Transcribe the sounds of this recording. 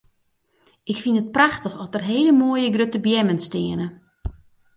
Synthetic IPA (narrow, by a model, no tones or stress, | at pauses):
ɪkfinət̚praxtəxɔtərɦeːələmoəjəɡrøtəbjɛmənstɪənə